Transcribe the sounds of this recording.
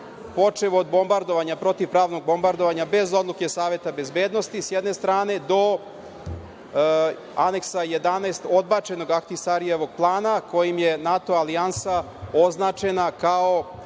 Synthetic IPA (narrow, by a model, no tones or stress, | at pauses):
po̞t͡ʂeʋoːd̪bo̞mbaɾd̪o̞ʋaɲapɾo̞t̪iʋpɾaːʋno̞ɡ̚bo̞mbaɾd̪o̞ʋaɲabe̞zo̞d̪lˠuke̞saːʋe̞t̪abe̞zbeːd̪nost̪isjed̪ne̞st̪ɾaːne̞d̪o̞ | ane̞ksaje̞d̪anaest̪o̞d̪bat͡ʃe̞no̞ɡakt̪isaɾijeʋo̞ɡ̥̚plˠaːnako̞jimjenat̪o̞aliansa | o̞znat͡ʃe̞nakao̞